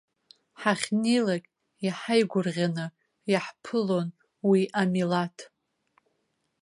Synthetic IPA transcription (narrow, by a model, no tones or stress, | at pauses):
ħaχʲnejlakʲʼ | jaħajɡʷʊrʁʲanɨ | jaħpʰɨlo̞n | wiʔamilatʰ